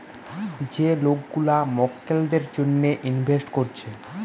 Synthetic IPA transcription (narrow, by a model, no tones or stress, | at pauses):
d͡ʑelokɡulamɔkːeld̪eɾd͡ʑonːeʔinbʱesʈkoɾt͡ɕʰe